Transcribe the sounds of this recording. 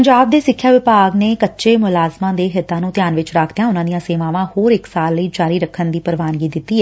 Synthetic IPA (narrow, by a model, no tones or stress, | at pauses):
əɲd͡ʒaːb̚d̪eːsɪkʰːjaːʋɪpaːɡneːkətːʃeːmʊlaːzmãːd̪eːɦɪt̪ːãːnũːt̪ɪjaːnʋɪt͡ʃɾaːkʰd̪ejãːʊnãːd̪ijãːseːʋãːʋãːhoːɾɪksaːlːəiːd͡ʒaːɾiːɾəkʰːənd̪iːpəɾʋaːnɡiːd̪ɪt̪ːiːɛ